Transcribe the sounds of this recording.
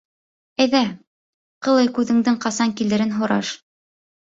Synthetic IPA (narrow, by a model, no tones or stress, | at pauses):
æjðæ | qɤ̆lˠɤjkʉðɘ̆ŋd̪ɘŋqɑsɑŋkild̪ɘ̆ɾɘnɦŏɾɑ̰ʃ